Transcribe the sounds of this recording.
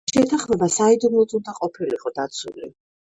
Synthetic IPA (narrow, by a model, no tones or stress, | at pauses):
ʃɛt̪ʰaχmɛbasaid̪umlˠɔt̪ʼund̪aqʼɔpʰiliqʼɔd̪at̪sʰṵlḭ